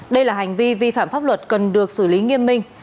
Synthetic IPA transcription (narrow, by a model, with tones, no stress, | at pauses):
ɗə˧jlaː˨˩ɦa˨˩jŋ̟vi˧vi˧fa̰ː˧˨mfaː˦˥p̚lwə˨˩t̚kə˨˩nɗɨ˨˩ək̚sɨ˧˩li˨˦ŋi˧əmːï˧ŋ̟